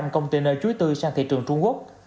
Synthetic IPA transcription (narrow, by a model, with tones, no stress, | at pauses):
mkə˧wŋ͡mt̪i˧˩nəː˧˩jt͡ɕu˨˦əjt̪ɨ˧saː˧ŋt̪ʰḭ˧˨t͡ɕɨ˨˩əŋt͡ɕʊ˧ŋ͡mku˦˥ək̚